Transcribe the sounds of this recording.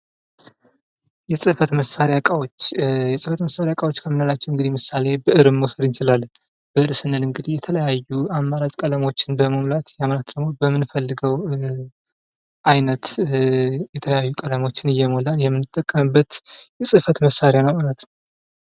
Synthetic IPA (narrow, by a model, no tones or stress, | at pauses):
jɛsʼɨfət̪məsːaɾejakʼawot͡ʃːjɛsʼɨfət̪məsːaɾjakʼawo̞t͡ʃːkʰəmːɨnalat͡ʃːɛwɨŋɡɨd̪ijmɨsːale̞bəʔɨɾɨmːosəd̪ɨnt͡ʃɪlalː | b̥əʔɨɾsɨnːəlɨŋɡɨd̪ihjɛt̪ʰələjajːuamːaɾad͡ʒʼkʼələmo̞t͡ʃːɪnbəməmlat̪jaməlat̪d̪əɡmo̞bəmːɨnfəlːɨɡəw | ʔajnət̪ | jɛt̪ʰələjajːukʼələmo̞t͡ʃːɪnɨjːɛmolanjɛmːɨnːɨt̪ʼːəkʼːəmɨbːət̪jɛsʼɨfət̪məsːaɾjanəwmalət̪nəw